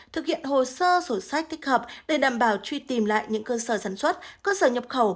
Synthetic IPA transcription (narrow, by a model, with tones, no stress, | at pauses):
t̪ʰɨ˨˩k̚hḭ˧˨ənɦo˨˩səː˧so˧˩sa˦˥jk̚t̪ʰi˦˥k̟̚həː˨˩p̚ɗe˧˩ɗaː˧˩mɓaː˧˩wt͡ɕwi˧t̪i˨˩mla̰ː˧˨jɲɨ̰˧˥ŋkəː˧səː˧˩saː˨˧˩nswə˦˥t̚kəː˧səː˧˩ɲə˨˩p̚xə˧˩w